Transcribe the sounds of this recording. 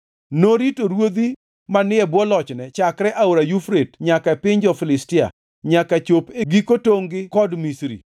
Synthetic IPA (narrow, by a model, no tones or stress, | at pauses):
noɾitoɾwod̪i | manɪɛbwɔlɔt͡ʃnɛt͡ʃakɾɛʔaoɾajufɾetɲakaepɪɲd͡ʒɔfɪlɪstɪa̰ | ɲakat͡ʃopeɡikotoŋɡɪkɔdmisɾḭ